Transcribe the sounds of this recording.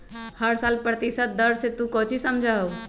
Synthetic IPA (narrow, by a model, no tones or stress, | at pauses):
həɾsaːlpɾət̪isət̪̚d̪əɾset̪ũkɔ̃ːt͡ʃisəmd͡ʒʱaɦo